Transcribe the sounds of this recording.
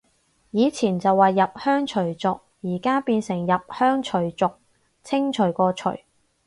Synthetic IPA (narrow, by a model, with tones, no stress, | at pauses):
jiː˨˧t͡sʰiː˨˩nt͡sɐ˨wːaː˨jːɐ˨p̚hœː˥ŋt͡ʃʰɵ˨˩ɥt͡sʊ˨k̚jiː˨˩kaː˥piː˧nsɪ˨˩ŋjɐ˨p̚hœː˥ŋt͡ʃʰɵ˨˩ɥt͡sʊ˨k̚ | t͡sʰɪ˥ŋt͡ʃʰɵ˨˩ɥkɔː˧t͡ʃʰɵ̰˨˩ɥ